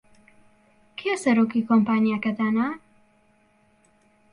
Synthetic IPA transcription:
kʰesɐɾoːkikʰompaːnjakɐt̪aːna

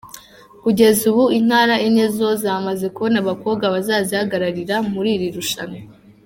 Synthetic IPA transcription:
kuɟe̞zuβuin̥haːɾaʔinezo̞zaːmaze̞kuβonaβako̞ːbɡaβazaːzihaɡaɾaɾiɾamuɾiːɾiɾuʃano

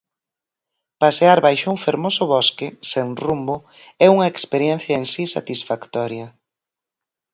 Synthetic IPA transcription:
paseaɾβajʃuŋfeɾmosʊβɔskesenrumbo | ɛuŋɐekspeɾjɛn̟θjaɐensisa̰t̪isfakt̪ɔɾjɐ

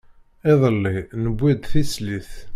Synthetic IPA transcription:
ɪðˤəlːinəbːid̪θisliθ

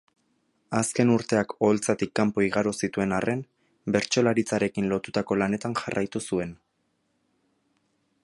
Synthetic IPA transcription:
aske̞nuɾt̪e̞ako̞lt͡sat̪ikːampo̞iɣaɾosit̪ue̞narʔe̞m | be̞ɾt͡ʃo̞laɾit͡saɾe̞kinlo̞t̪ut̪ako̞lane̞t̪aŋʝarʔajt̪usue̞n

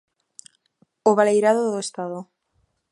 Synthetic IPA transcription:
oβalejɾaðoðoest̪aðo

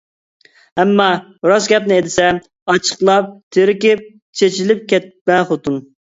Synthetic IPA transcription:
ɛmːɑ | ɾosɡʲɛpnɪed̪ɪsɛ | ɑt͡ʃʰə̥χlˠɑp̚t̪ʰeɾɪkʲɪp̚ | t͡ʃʰet͡ʃilɪp̚kʲɛt̪̚bɛnχot̪un

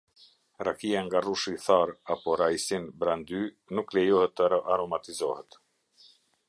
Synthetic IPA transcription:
ɾakiaŋɡaruʃiθaɾapɔɾajsinbɾand̪y | nuklɛjɔhɛt̪ːəʔaɾɔmat̪izɔhɛt̪

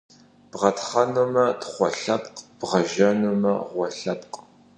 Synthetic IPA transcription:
b̥ʁɐtχɐnumɐtχʷɔ̰ɬɐptʼb̥ʁɐʒɐnumɐʁʷɔɬɐp̚qʼ

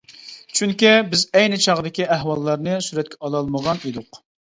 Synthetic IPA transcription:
t͡ʃʰyŋkʲibɪzɛjnɨt͡ʃʰɑʁd̪ɪkʲiæɦwɑlˠːɑɾnɨsyɾɛt̪̚kʲʰɛɑlˠɑlˠməʁɑned̪ʊq

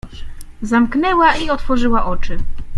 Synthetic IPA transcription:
zamknɛwaiɔt̪fɔʐɘwaʔɔt͡ʂɘ

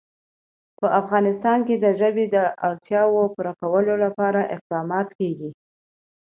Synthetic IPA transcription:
pəʔafɣɑnɪst̪ɑnked̪əʒəbed̪əʔaɽt̪jɑwopuɾakawəlolapɑɾaʔɪq̚d̪ɑmɑt̪keɡi

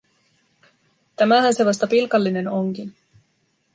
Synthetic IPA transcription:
t̪æmæɦænse̞ʋɑst̪ɑpilkɑlːine̞no̞ŋkin

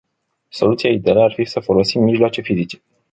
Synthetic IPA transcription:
so̞lut̪siaid̪ealearfisəfo̞lo̞simːiʒloat͡ʃe̞fizit͡ʃe̞̥

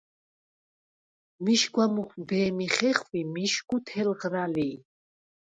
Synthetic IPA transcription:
miʃɡwamuχbɛːmiχɛχvimiʃkut̪ʰɛlʁɾali

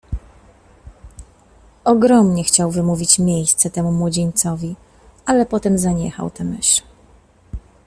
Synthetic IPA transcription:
ɔɡɾɔmɲɛxt͡ɕawvɘmuvʲit͡ɕmʲjejst̪sɛt̪ɛmumwɔd͡ʑeɲt̪sɔvʲi | alɛpɔt̪ɛmzaɲɛxa̰wt̪ɛmɘ̰ʂ

